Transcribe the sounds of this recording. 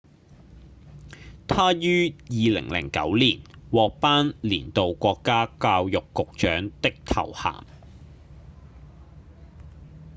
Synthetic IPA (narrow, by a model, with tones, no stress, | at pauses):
t̪ʰaː˥jyː˥jiː˨lɪ̰˨˩ŋlɪ̰˨˩ŋkɐ̰˨˥wliː˨˩nwɔː˨k̚paː˥nliː˨˩nt̪o˨wkʷɔː˧kːaː˥kaː˧wjʊ˨kːʊ˨k̚t͡ʃœː˨˥ŋt̪ɪ˥k̚t̪ʰɐ̰˨˩wha̰ː˨˩m